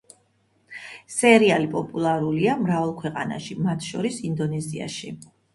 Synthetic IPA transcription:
sɛɾialipʼɔpʼulˠaɾuliamɾavalˠkʰwɛqʼa̰na̰ʃimat̪ʰʃɔɾisind̪ɔnɛzia̰ʃi

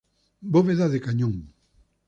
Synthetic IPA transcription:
boβeðaðekaɲõŋ

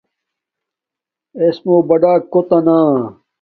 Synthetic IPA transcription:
esmobɐɖaːkːot̪ɐnaː

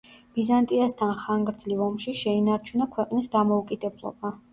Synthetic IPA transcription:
b̥izant̪ʼiast̪ʰanχaŋɡɾd̪zlivɔmʃiʃɛinaɾt͡ʃʰunakʰwɛqʼnisd̪amɔukʼid̪ɛblˠɔ̰ba

